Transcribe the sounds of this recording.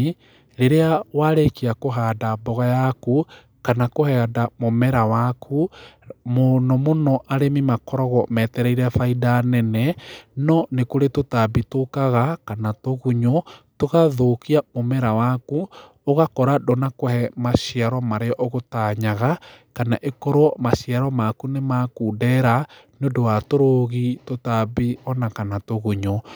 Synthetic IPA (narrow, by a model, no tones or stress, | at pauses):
ɾeɾeawaɾekiakoɦaːdabɔɣajaku | kanakohɛadamomɛɾawakʰu | monɔmonɔʔaɾemimakɔɾɔɣɔmɛtɛɾɛiɾɛfaidanɛnɛnɔnekoɾetotabitokaɣakanatoɣuɲotoɣaðokiamomɛɾawaku | oɣakɔɾadonakohɛmaʃiaɾɔmaɾeɔʔɔɣotaɲaɣakanaʔekɔɾwɔmaʃiaɾɔmakunemakuːdɛɾa | neodowatoɾoɣitotabiɔnakanatoɣuɲo